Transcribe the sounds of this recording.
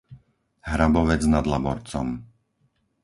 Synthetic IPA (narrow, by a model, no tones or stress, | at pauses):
ɦɾabɔʋɛd͡znad̪labɔɾt͡sɔ̰m